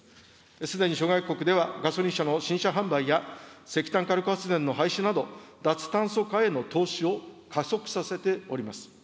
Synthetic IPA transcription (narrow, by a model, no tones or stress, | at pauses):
sɨd̪e̞ɲ̟iɕo̞ɡaiko̞kɯ̟d̪e̞βaɡaso̞ɾʲĩɕano̞ɕĩɕaɦãmbaijase̞kʲi̥t̪ãŋkaɾɯ̟koat͡sɨzẽ̞nːo̞ɦaiɕɨnad̪o̞d̪at͡sɨ̥t̪ãɰ̃so̞kae̞no̞t̪o̞ːɕio̞kaso̞kɯ̟̥sase̞t̪e̞o̞̰ɾʲimasɨ̥